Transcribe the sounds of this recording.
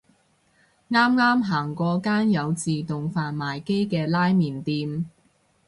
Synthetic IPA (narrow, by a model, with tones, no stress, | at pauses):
ŋaː˥mŋaː˥mɦaː˨˩ŋkʷɔː˨˧kaː˥njɐ˨˧wt͡siː˨t̪ʊ˨ŋfaː˨nmaː˨˩jke˥jkɛː˧laː˥jmiː˨˩nt̪iː˧m